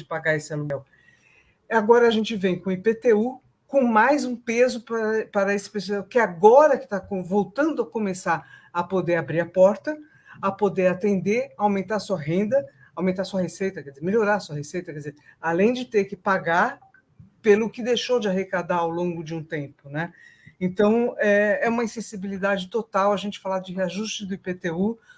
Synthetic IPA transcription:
d͡ʒɪpaɡaesɪaluɡɛw | aɡɔɾɐaʒẽnt͡ʃɪvẽj̃kõipet̪eu | kõmajzũpezʊppaɾɐesɪ̥pesɛkɪaɡɔɾɐkɪ̥t̪akõvowt̪ɐ̃nd̪ʊɐkõmesaɾɐpod̪eɾabɾiɾɐpɔɾt̪ɐ | ɐpod̪eɾat̪ẽnd̪eɾawmẽnt̪aɾɐsuɐɦẽnd̪ɐ | awmẽnt̪aɾsuɐɦesejt̪ɐkɛd͡ʒɪzeɾmeloɾaɐsuɐhesejt̪ɐkɛd͡ʒɪzeɾ | alẽj̃d͡ʒɪt̪eɾkɪpaɡaɾ | pelʊkɪd̪ejʃowd͡ʒɪaɦekad̪aɾawlõɡʊd͡ʒɪũt̪ẽmpʊnɛ | ẽt̪ɐ̃w̃ɛɛũmɐĩsẽsibilid̪ad͡ʒɪt̪ot̪awɐʒẽnt͡ʃɪ̥falad͡ʒɪɦeaʒust͡ʃɪd̪ʊipet̪eu

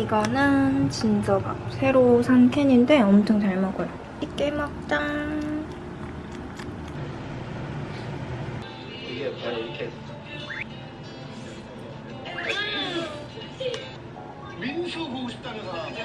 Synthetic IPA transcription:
iɡʌnɯnt͡ɕind͡ʑ͈ʌpa̰sʰe̞ɾosʰaŋkʰeɲinde̞ʌmt͡ɕʰoŋt͡ɕaɭmʌɡojo | ik͈ːemʌk̚t͈aŋ

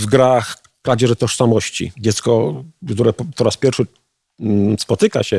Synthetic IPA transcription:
vɡɾax | pɾad͡ʑɛʐɛt̪ɔʂsamɔɕt͡ɕḭd͡ʑɛt̪skɔkt̪uɾɛɔɾaspʲjɛɾfʂɘ | spɔt̪ɘka̰ɕɛ

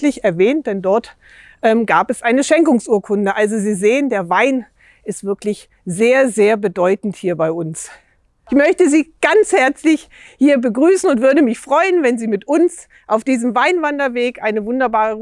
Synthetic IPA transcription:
lɪçɛɐvɛːnt̚d̥ɛndɔɐt | ʔɛːmɡaːpɛsʔaɪnəʃɛŋkʊŋsʔuːɐkʰʊndəʔalzoziːzeːəndeːɐvaɪn | ɪstv̥ɪɐklɪç | zeːɐzeːɐbədɔʏtn̩thiːɐbaɪʔʊns | ʔɪçmœçtəziːɡ̥ant͡shɛɐt͡slɪç | hiːɐbəɡʁyːsn̩ʊntv̥ʏɐdəmɪçfʁ̥ɔʏənvɛnziːmɪtʔʊns | ʔaʊfd̥iːzəmvaɪnvandɐveːkʔaɪnəvʊndɐbaːʁə

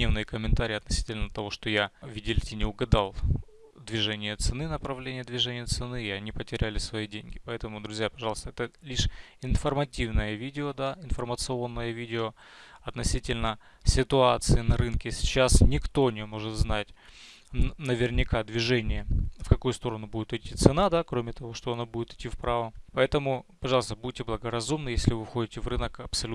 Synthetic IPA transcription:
nʲevnɨjəkəmʲɪnt̪aɾʲɪːɐt̪nɐsʲi̥tʲɪlʲnət̪ɐvo̞ʂt̪ojavʲɪdʲɪlʲtʲɪnʲɪʊɡɐd̪alˠ | d̪vʲɪʐɛnʲɪjət̪sɨnɨnəpɾɐvlʲenʲɪjəd̪vʲɪʐɛnʲɪjət̪sɨnɨɪɐnʲipətʲɪɾʲælʲɪsvɐidʲenʲɡʲɪpɐɛt̪əmʊd̪ɾʊzʲjapɐʐɑlˠəst̪əɛt̪əlʲiʂ | ɪnfərmɐtʲivnəjəvʲidʲɪod̪aɪnfərmət̪sɨo̞nːəjəvʲidʲɪo | ɐt̪nɐsʲitʲɪlʲnə | sʲɪt̪ʊat̪sɨɪnɐɾɨnkʲɪsʲɪ̥t͡ɕːasnʲɪkt̪o̞nʲɪmo̞ʐɨt̪znatʲ | nəvʲɪrnʲɪkad̪vʲɪʐɛnʲɪjəfkɐkujʊst̪o̞ɾənʊbudʲɪt̪ɪtʲːit̪sɨnad̪akɾomʲɪt̪ɐvo̞ʂt̪oɐnobudʲɪt̪ɪ̥tʲːifpɾavəpɐɛt̪əmʊpɐʐɑlˠəst̪əbudʲɪtʲɪblˠəɡəɾɐzumnɨjesʲlʲɪvɨfxo̞dʲɪtʲɪvrɨnəkɐpsɐlʲu

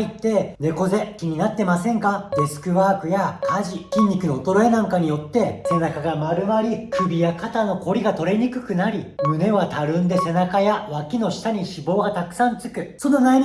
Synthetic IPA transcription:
it̪ːe̞ne̞ko̞ze̞kʲiɲ̟inat̪ːe̞masẽ̞ŋkad̪e̞sɨ̥kɯ̟βaːkɯ̟jakʰaʑikʲĩɲ̟ːikɯ̟noːt̪o̞ɾo̞e̞nãŋkaɲ̟ijo̞t̪ːe̞se̞nakaɡamaɾɯ̟maɾʲikɯ̟bʲijakat̪ano̞ko̞ɾʲiɡat̪o̞ɾe̞ɲ̟ikɯ̟̥kɯ̟naɾʲimɯ̟ne̞βat̪aɾɯ̟̃nd̪e̞se̞nakajaβakʲino̞ɕi̥t̪aɲ̟iɕibo̞ːɡat̪akɯ̟̥sãnt͡sɨ̥kɯ̟so̞no̞nai

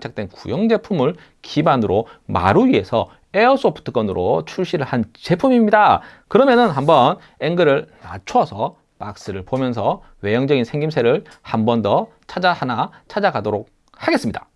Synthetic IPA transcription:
t͡ɕʰak̚t͈we̞nkujʌŋd͡ʑe̞pʰumɯɭ | kibanɯɾoma̰ɾuɥie̞sʰʌ | e̞ʌs͈ʰopʰɯ̥tʰɯk͈ʌnɯɾo̰t͡ɕʰuɭɕ͈iɾɯɭhant͡ɕe̞pʰumimɲidakɯɾʌmjʌnɯnɦambʌn | eŋɡɯɾɯɭna̰t͡ɕʰwʌsʰʌ | mak̚s͈ɯɾɯɭpomjʌnsʰʌ | we̞jʌŋd͡ʑʌɡinsʰe̞ŋɡimsʰe̞ɾɯɭ | hambʌndʌ | t͡ɕʰad͡ʑahanat͡ɕʰad͡ʑaɡadoɾok̚ | haɡe̞s͈ɯmɲida

